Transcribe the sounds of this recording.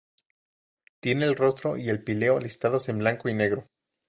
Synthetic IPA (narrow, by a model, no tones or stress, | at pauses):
t̪je̞neːlro̞st̪ɾo̞ʔie̞lpile̞olist̪aðo̞se̞mblaŋkoine̞ɣɾo̞